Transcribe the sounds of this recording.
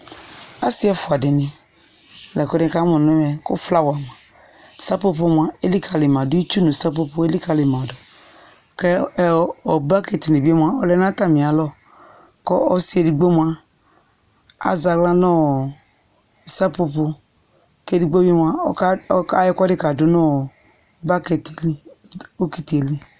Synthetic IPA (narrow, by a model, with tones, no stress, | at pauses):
a˦si˦ɛ˦fu˨a˨di˨ni˨ | lɛ˨kɔ˦di˦ka˦mu˨n˦i˦mɛ˨kṵ˦fla˦wa˨m˨a˨ | sa˦pu˦p̬u˦mʷ˨a˦e˦li˦kʰa˨li˨ma˨du˦i˦t͡ʃu˦nu˨sa˦pu˦pu˦e˦li˦ka˨li˨ma˨dɔ˨ | kɛ˦ | ɔ˨ba˦ke˨ti˨ni˨bi˦e˦mʷ˦a˦ɔ˨lɛ˦n˦a˦ta˨mi˨a˨lɔ˦ | kɔ˦ɔ˦si˦e˨di˨ɡ͡bo˦mʷ˦a˦ | a̰˨za˨ɡla˦nɔ˦˨ | sa˦pu˧pu˧ | ke˦di˨ɡ͡bo˦be˦m˧a˦ka˦jɛ˦kɔ˦di˦ka˨du˨˦nɔ˦˨ | ba˦ke˨te˨li˦˨ | o˦ki˦ti˨e˨li˦